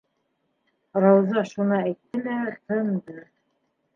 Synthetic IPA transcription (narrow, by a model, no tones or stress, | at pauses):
rɑwzɑʃunɤæjt̪ːɘlæt̪ɤnd̪ɤ